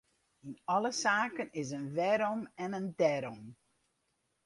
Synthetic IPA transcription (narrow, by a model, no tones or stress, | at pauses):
inɔləsaːkənɪs̬ənʋɛɾɔmɛnəndɛɾɔm